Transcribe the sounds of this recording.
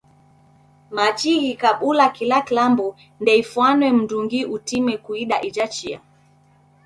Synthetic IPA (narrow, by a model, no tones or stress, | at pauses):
mat͡ʃiɣikaɓulakilakilambu | ndɛifwanwɛm̩duŋɡiʔutimɛkuiɗaʔid͡ʒat͡ʃia̰